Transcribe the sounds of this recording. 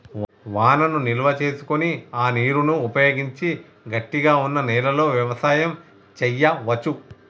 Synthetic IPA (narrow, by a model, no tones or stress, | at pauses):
ʋaːnɐnuniluʋɐt͡ʃe̞ːsu̥koniaːniːɾunuːpɐjoːɡiɲt͡ʃi | ɡɐʈːiɡaːunːɐnɛːlɐlo̞ːʋjɐʋɐsaːjɐm | t͡ʃɛjːɐʋɐt͡ʃu